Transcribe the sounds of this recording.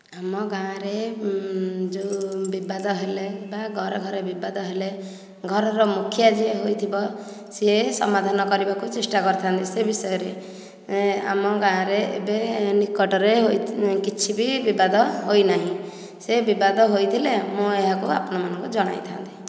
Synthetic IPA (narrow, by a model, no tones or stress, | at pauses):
amɔɡãɾe | d͡ʒobibad̪ɔɦelebaɡʱɔɾɔɡʱɔɾebibad̪ɔɦele | ɡʱɔɾɔɾɔmukʰjad͡ʒieɦojt̪ʰibɔ | seesɔ̰mad̪ʱanɔkɔɾibakut͡ʃesʈakɔɾɔt̪ʰant̪isebisɔjɔɾe | a̰mɔɡãɾeḛbenikɔʈɔɾeɦojkit͡ʃʰibibibad̪ʱɔɦojnaɦĩ | sebibad̪ʱɔɦojt̪ʰilemũeɦakua̰pɔñɔmanɔ̃ŋkud͡ʒɔɽ̃a̰jt̪ʰa̰nt̪i